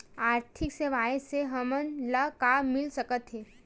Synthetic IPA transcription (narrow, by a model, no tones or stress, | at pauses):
aːɾt̪ʰikseʋaːeseɦəmənləkamɪlsəkət̪ɦeː